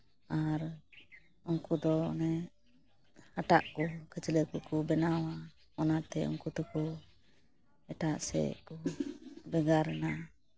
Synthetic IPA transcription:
aɾ | ɔŋkud̪ɔɔ̰nɛ | aʈa̰ʔkukət͡ʃələkukubɛnawa | ɔnat̪ɛɔ̰ŋkut̪uku | ɛʈaʔsɛ̰kubɛɡaɾna

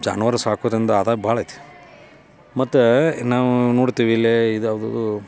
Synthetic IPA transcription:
d͡ʒa̰ːnʋɐɾɐsaːkoːd̪ɾind̪ɐːd̪abʱaːɭɐjt̪e̥ | mɐt̪ːunaːʋunoːɽt̪iːʋilːeid̪ɐd̪ṵ

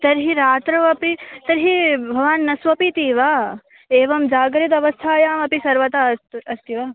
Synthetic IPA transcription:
t̪ɐɾɦiɾaːt̪ɾɐʋɐpit̪ɐɾɦibʱɐʋaːnːɐsʋɐpit̪iːʋaː | eːʋɐmd͡ʒaːɡɾit̪̬ɐʋɐst̪ʰaːjaːmɐpisɐɾʋɐt̪aːɐst̪iʋaː

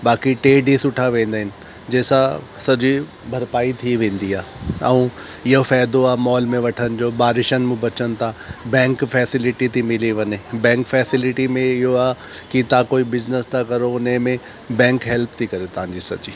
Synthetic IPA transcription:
baːkiʈeːɖisʊʈʰaʋẽːnd̪aːɦɪnɪ̆ | d͡ʑeːsã | sɐd͡ʑi | bʱɐɾpaːit̪ʰiʋẽːn̆d̪iaːɐ̰ũ | ɪɦofɛːd̪oaːmɔːlmẽʋɐʈʰənɪ̆d͡ʑoːbaːɾɪʃənmẽbɐt͡ɕənɪ̆t̪ʰabɛ̃ːŋkfɛːsɪlɪʈit̪ʰimɪliʋɐɲebɛ̃ːŋkfɛːsɪlɪʈimẽɪɦoaː | kit̪ãkoːibɪznəst̪ʰakɐɾoʊnemẽ | bɛ̃ːŋkɦɛlpt̪ʰikɐɾet̪ɐʋ̤ãɲd͡ʑisɐ̰d͡ʑiː

